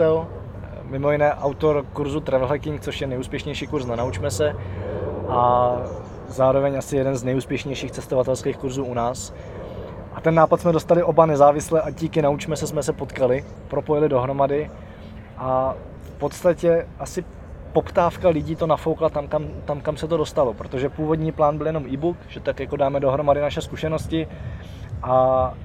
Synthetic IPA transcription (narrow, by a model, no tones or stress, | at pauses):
ɛl | mɪmo̞jɪnɛːʔawt̪o̞ɾkuɾzut̪ɾɛvlɦɛkɪŋk̚t͡so̞ʃjɛnɛjuːspjɛʃɲɛjʃiːkuɾsnɛnaut͡ʃmɛsɛ | ʔa | zaːɾo̞vɛɲasɪjɛdɛnznɛjuːspjɛʃɲɛjʃiːxt͡sɛst̪ovat̪ɛlskeːxkuɾzuːunaːs | ʔat̪ɛnːaːpat̪smɛdo̞st̪alɪʔo̞banɛzaːvɪslɛʔaɟiːkɪnaut͡ʃmɛsɛsmɛsɛpo̞t̪kalɪ | pɾo̞po̞jɪlɪdo̞ɦɾo̞madɪ | ʔa | fpo̞t̪st̪acɛʔasɪ | po̞pt̪aːfkalɪɟiːt̪o̞nafo̞wklat̪amkamt̪amkamsɛt̪o̞do̞st̪alo̞pɾo̞t̪o̞ʒɛpuːvo̞dɲiːplaːnbɪljɛno̞mʔiːbukʒ̥ɛt̪akjako̞daːmɛdo̞ɦɾo̞madɪnaʃɛskuʃɛno̞scɪ | ʔa